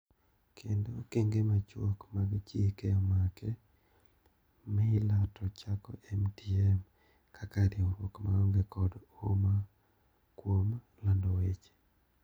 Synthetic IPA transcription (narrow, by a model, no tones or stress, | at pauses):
kʰendokeŋɡemat͡ʃwo̰kmaɡit͡ʃekeɔmakʰɛ | mɛlatʰɔt͡ʃakɔ̰ʔɛmtiɛm | kʰakaɾioɾwokmaɔŋɡɛkɔdoma | kwom | landɔwet͡ʃe̥